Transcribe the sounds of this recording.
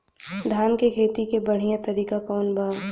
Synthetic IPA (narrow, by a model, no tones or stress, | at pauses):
d̪ʱaːnkekʰeːt̪ikebɐɽ̤ijãt̪ɐɾiːkakɔːnbaː